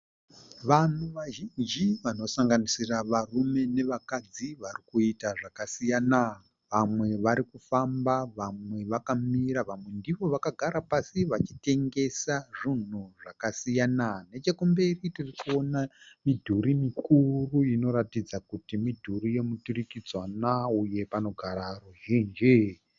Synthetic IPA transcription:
ʋan̤uʋaʒind͡ʒiʋano̞saŋɡanisiraʋarume̞ne̞ʋakad͡ziʋarikuitaʐakasijana | ʋamwe̞ʋaɾikufambaʋamwe̞ʋakamiraʋamwe̞ndiʋo̞ʋakaɡʱaɾapasiʋat͡ʃite̞ŋɡe̞saʐin̤uʐakasijanane̞t͡ʃekumbe̞ritirikuo̞namidʱuɾimikuruino̞ɾatid͡zakutimidʱuɾije̞muturikid͡zwanauje̞pano̞ɡʱaɾaruɦeːnd͡ʒe

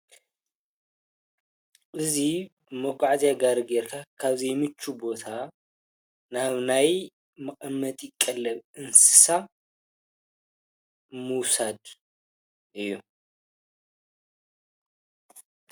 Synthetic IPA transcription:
ʔɨzi | moɡʼaʕzijaɡaɾɨɡeɾkʰakʰaβzejmɨt͡ʃːubo̞t̪ʰa | naβnaj | mɨχʼɐmːɐt̪ʼjɪkʼːɐlːɐβʔɨnsɨ̥sa | muwsad̪ | ʔɨjːu

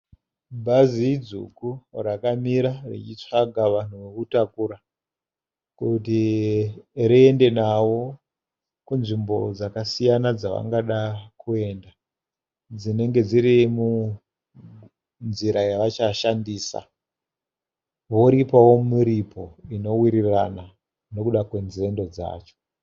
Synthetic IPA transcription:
bʱazid͡zṵkurakamiɾarḭt͡ʃit͡ʂaɡʱaʋan̤uʋekutakuɾa | kuti | ɾiende̞nawo̞ | kunʐimbo̞̰d͡zakasijanad͡zaʋa̰ŋɡaɗakʰue̞nda | d͡zine̞ŋɡe̞d͡ziɾimu | nziɾajaʋat͡ʃaʃandiːsa̰ | ʋo̞ɾipawo̞miɾipʰo̞ino̞wiɾirana | no̞kuɗakwe̞nze̞ndo̞d͡za̰ːt͡ʃo̥

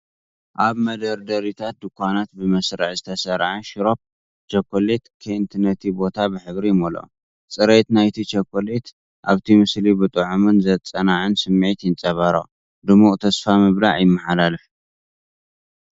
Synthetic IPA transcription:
ʔaβmɐd̪ɐɾd̪ɐɾit̪ʰat̪̚d̪ɨkʰʷːanat̪̚bɨmɐsɾɨ̰ʕzɨt̪ʰɐsɐɾʕaʃɪɾop̚ | t͡ʃɐkʰːolet̪kʰent̪ʰɨnːɐt̪ʰibo̞t̪ʰabɨħɨβɾimolo̰ | t͡sʼɨɾet̪najt̪ʰit͡ʃɐkʰːolet̪ | ʔa̰βt̪ʰimɨslibɨt̪ʼɨʕumɨnzɐt͡sʼɐnaʕɨnsɨmːʕit̪jɪnt͡sʼɐβɐɾɐ̰ | d̪ɨmuʔʼt̪ʰɐsfamɨβlaʕjɪmːaħalalɨf

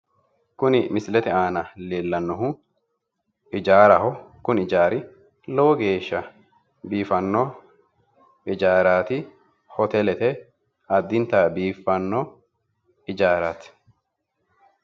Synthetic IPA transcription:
kʊnɪmɪslɛt̪ɛaːnɐleːlːɐnːɔɦʊ | ɪd͡ʒaːɾɐɦɔkʊnɪd͡ʒaːɾɪ | lɔwɔɡe̞ːʃːɐ | biːfɐnːɔ | ɪd͡ʒaːɾaːt̪ɪ | hɔt̪ɛlɛt̪ɛ | ɐd̪ːɪnt̪abiːfːɐnːɔ | ɪd͡ʒaːɾat̪

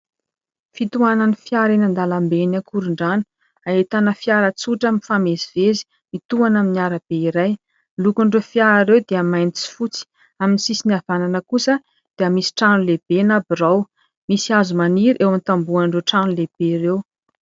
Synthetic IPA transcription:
fit̪uananifiaɾenand̪alambenakuɾuɳɖ͡ʐanu̥ | aet̪anəfiaɾət͡suʈ͡ʂəmifameziv̥ezi̥ | mit̪uanaminiaɾab̥eiɾaj | lukuɳɖ͡ʐefiaɾaɾewd̪eəmajnt͡si̥fut͡si̥ | aminisisiniavananəkusə | d̪̥eəmisi̥ʈ͡ʂanuleb̥enabiraw | misiazumaniɾʔewant̪ambuaɳɖ͡ʐewʈ͡ʂanuleb̥eɾew

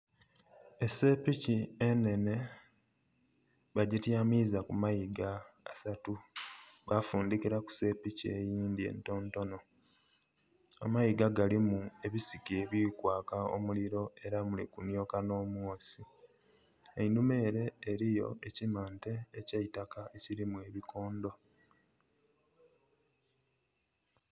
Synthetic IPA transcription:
e̞se̞piciene̞ne̞ | βaɟitjamizakumajiɡaːsatuɡafuːndikiɾaku̥se̞picie̞̰jiːndiḛnto̞ːnto̞no̞ | a̰majiɡaɡalimue̞βisikieβiːkwaːkao̰muliɾo̞e̞ɾamulikunjo̞ːkano̞ːmwoːsi | einume̞ːɾe̞ːɾijo̞̰ecimaːnte̞ːcaitakaeciɾimwe̞ːβikʰo̞ːndo̞

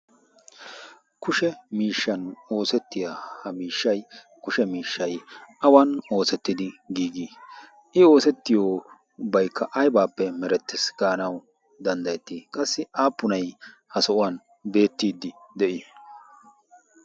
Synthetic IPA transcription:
kʊʃɛmiːʃːɐno̞ːsɛt̪ːɪjahɐmiːʃːɐj | kʊʃɛmiːʃːɐjɐwɐno̞ːsɛt̪ːɪd̪ɪɡiːɡi | ʔɪo̞ːsɛt̪ːɪjoː | bɐjkʰːɐʔɐjbaːpːɛmɛɾɛt̪ːɪsɡ̥aːnɐw | d̪ɐnd̪ɐjɛt̪ːikʼɐsːɪʔaːpːʊnɐj | hɐsɔʔʊwɐn | be̞ːt̪ːiːd̪ːɪd̪ɛʔɪ

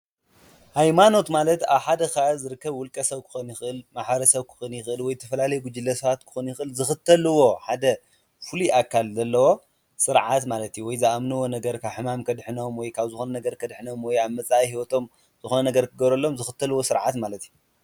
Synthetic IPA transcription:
hajmano̞t̪malɐt̪aβħad̪ɐxazɨɾɨkːɐβwʊlkʼːɐsɐβkʰɨ̥xonjɪxɨʔɨlmaħβɐɾɐsɐβkʰɨ̥xonjɪxɨʔɨlwɔjt̪ʰɐfɐlalɐjɡud͡ʒɨlːɐsɐβat̪kʰɨ̥xonjɪxɨʔɨlzɨxɨt̪ʰːɐlɨwo̞ħad̪ɐ | fɨliʔakʰːalzɐlːɐwo̞ | sɨɾʕat̪malɐt̪juwɔjzɨʔamnɨwo̞nɐɡɐɾkʰaβħɨmamkʰɐd̪ħɨno̞mwɔjkʰaβzɨxonɐnɐɡɐɾkʰɐd̪ħɨno̞mwɔjaβmɐt͡sʼahiwɔt̪ʰo̞m | z̥ɨxonɐnɐɡɐɾkʰɨɡɐβɾɐlːo̞mzɨxɨt̪ʰːɐlɨwo̞sɨɾʕat̪malɐt̪ju

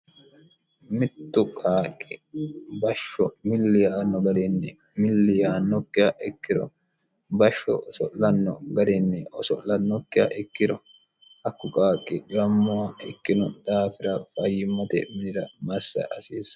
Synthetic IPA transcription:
mɪt̪ːʊkʼaːkʼːɪbɐʃːɔmɪlːɪjaːnːɔɡɐd̪ɛnːɛ | mɪlːɪjaːnːɔkːɪjɐʔɛkːɪdɔ̰ | bɐʃːɔ̰sɔʔlɐnːɔ̰ɡɐd̪ɛnːɛʔɔsɔʔlɐnːɔkːɪjɐ̰ʔɛkːɪd̪ɔ | ʔɐkːʊkʼaːkʼːɪɡɐmːʊwɐʔɛkːɪnʊd̪aːfɪɾɐfɐjːɪmːɐt̪ɛ̰mɪnɪɾɐmɐsːɐ̰ʔɐsiːs

